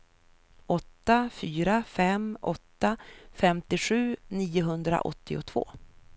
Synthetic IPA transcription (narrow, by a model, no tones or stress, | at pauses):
ɔt̪ːafyːɾafɛmʔɔt̪ːafɛmt̪ɪɧʉ̟ːniːʊɦɵnd̪ɾa̰ʔɔ̰t̪ʰːɪʊ̰t̪ʰv̥o̰ː